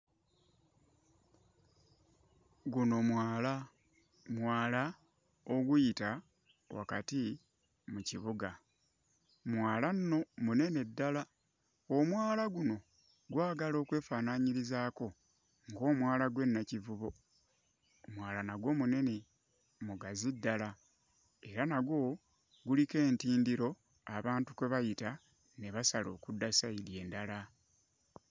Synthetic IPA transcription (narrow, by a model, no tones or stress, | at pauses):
ɡuno̞mwaːla | mwaːla | oɡujita | wa̰kati | muciβuɡa | mwaːlanno̞mune̞ne̞dːala | omwaːlaɡuno̞ | ɡwaːɡalo̞ːkwe̞ːfaːnaɲiɾizaːko̞ | ŋɡo̞ːmwaːlaɡwe̞nːacivuβo̞ | mwaːlanaɡwo̞mune̞ne̞ | muɡazidːala | e̞ɾanaɡwo̞ | ɡulike̞ːntiːndiɾo̞ | aβaːntukweβajita | ne̞βasalo̞ːkudːasaiɾje̞ːndala